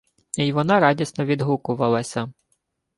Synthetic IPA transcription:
iʋɔnɑɾɑdʲisnɔʋʲid̪ɦukʊʋɐlˠɐsʲɐ

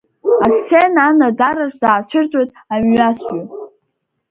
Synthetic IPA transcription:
ast͡sʰenaːnadaɾaʃʷz̥aːt͡ɕʷʰɪrt͡sʼojtʼamɥasatʼ

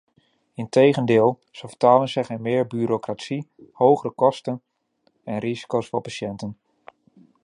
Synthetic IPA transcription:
ɪntejɣəndɪːlˠ | səfətaːlənsɛɣənmɪːɹbyːɾokratsihowɣərəkɔstən | ɛnrizi̥kowsfɔɹpaʃjɛntən

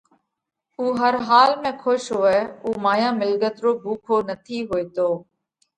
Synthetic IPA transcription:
uːɦəɾɦaːlmẽːkʰoʃɦoːeːuːmaːjãːmɪlɡət̪ɾoːbʱuːkʰoːnət̪ʰiːɦoːeːt̪oː

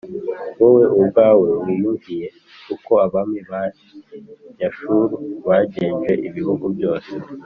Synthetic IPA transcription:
wowe̞ʔubɡaːwe̞wijuɲvije̞ | kuko̞aβamiβaːsi̥jaʃuɾuβaɟeːnʒɡe̞ʔiβiβuɡubjo̞ːse

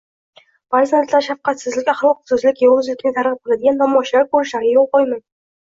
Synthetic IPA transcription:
b̥aɾzanat̪laɾʃafqɑt̪sɪzlɪkʲaχlˠɒq̚sʊzlɪkʲjɒlʁʊzlɪkʲnɪt̪ʰaɾʁɨp̚qɨlˠad̪ɪɡʲanːɒmɒʃlaɾkʰɵɾɪʃaɾɡʲajolˠqɒjˠman

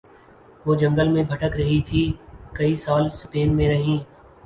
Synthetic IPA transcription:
ʋoːd͡ʒɐ̃ŋɡəlmẽbʱɐʈəkɾɐɦit̪ʰiːkɐisaːlspeːnmẽɾɐɦĩː

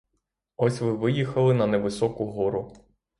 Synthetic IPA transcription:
ɔsʲʋɪʋɪjixɐlˠɪnɐnɛʋɪsɔkʊɦɔɾʊ

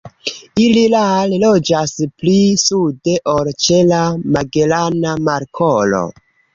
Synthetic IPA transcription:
ililallo̞d͡ʒasplisude̞ʔolt͡ʃe̞lamaɡe̞lanamaɾkʰolo̰

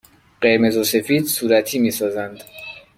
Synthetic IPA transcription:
ɢe̞ɾme̞zose̞fiːd̪suːɾæt̪ʰiːmiːsɒːzænd̪

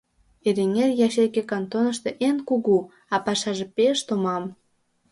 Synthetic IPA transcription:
eɾeŋerjɑʃekekɑnt̪onəʃt̪eʔenkuɣu | ɑpɑʃɑʒepeʃt̪omɑm

